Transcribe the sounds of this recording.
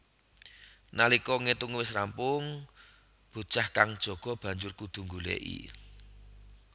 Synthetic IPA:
nalikɔŋet̪ʊŋwɪsrampʊŋ | b̥ṳt͡ʃahkaŋd̥ʒ̥ɔ̤ɡ̥ɔ̤b̥ä̤ɲd͡ʒʊrkud̪̥ṳŋɡulɛ̰ʔḭ

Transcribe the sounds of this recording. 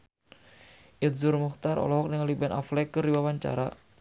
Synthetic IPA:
ʔit̪̚zurmukt̪aɾɔ̰lɔɦɔk̚nəŋalibanʔa̰flɛkɨrdiwawaɲt͡ʃa̰ɾa

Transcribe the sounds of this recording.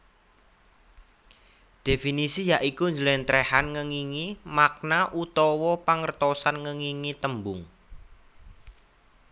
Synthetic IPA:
d̪̥e̤finisijaʔikuɲd͡ʒəlɛnt̪ɾehanŋəŋiŋimak̚naʔut̪ɔwɔpaŋərt̪ɔsanŋəŋiŋit̪əmbʊŋ

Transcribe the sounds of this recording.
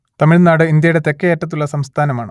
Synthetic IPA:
t̪ɐmiɻnaːɽɨind̪jɐjɽe̞t̪e̞kːeeːtːɐt̪̬ːuɭːɐsɐmst̪ʰaːnɐmaːɳɨ

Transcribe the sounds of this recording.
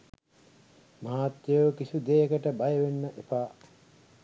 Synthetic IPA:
maɦaːt̪jəʋkisud̪eːkəʈəbajəʋenːəʔepaː

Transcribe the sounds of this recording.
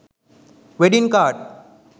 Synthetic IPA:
ʋeɖinkaːʈ

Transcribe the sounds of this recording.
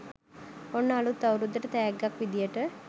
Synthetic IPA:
onːəalut̪ːawɾud̪ːəʈət̪ɛjaɡːakʋid̪ijəʈə

